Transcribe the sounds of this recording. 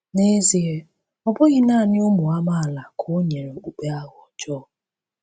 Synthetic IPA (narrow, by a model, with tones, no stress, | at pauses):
ne˦zi˨˦e˨ | ɔ˨bʊ˦ɣɪ˦naː˦˨nɪ˦o˦mu˨a˦ma˦a˨la˨kʰo˦ɲe˨ɾe˨o˨k͡pu˨k͡pe˦a˦ɦɔ˨d͡ʒɔː˦˨